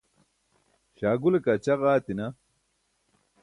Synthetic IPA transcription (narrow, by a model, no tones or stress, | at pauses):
ɕaːɡulekɐt͡ɕɐʁaːt̪inɐ